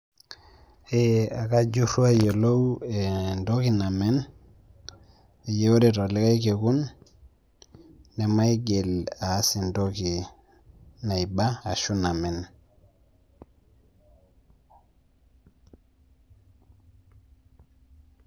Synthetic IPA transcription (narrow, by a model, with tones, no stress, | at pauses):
ea˨ka˦d͡ʒu˦ɾu˦a˦jo˨lo˦we˨ndo˦ki˨na˨me˦n | e˨je˦wo˦de˨to˨li˦ka˦i˦ke˨ɡu˦n | e˨ma˦i˦ɡe˨la˨˦si˨ndoki˨ | na˨iba˦a˨ʃu˦na˨me˨n